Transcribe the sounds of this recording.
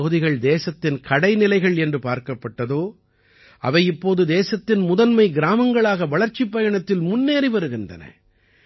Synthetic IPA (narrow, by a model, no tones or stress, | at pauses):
ɣɯðɪɣɐɭd̪eːsɐt̪ːɪnkɐɽɐɪnɪlɐɪɣɐɭɛndrɯpaːɾkɐpːɐʈːɐðoː | ʔɐ̰ʋɐɪɪpːoːðɯd̪eːsɐt̪ːɪnmʊðɐnmɐɪɡɪɾaːmɐŋɡɐɭaːɣɐʋɐɭɐɾt͡ʃɪpːɐjɐɳɐt̪ːɪlmʊnːeːɾɪʋɐɾɯɣɪndɐ̰nɐ̰